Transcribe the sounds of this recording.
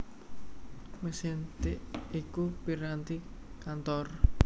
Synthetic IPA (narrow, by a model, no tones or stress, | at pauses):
məsint̪ɪʔikupiɾant̪i | kant̪ɔr